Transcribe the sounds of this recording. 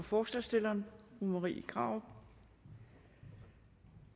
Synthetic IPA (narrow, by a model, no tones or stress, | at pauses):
ɒfɒːslɑsd̥e̝lɐːnʁumɐʁḭːikʰʁɑ̈ʊ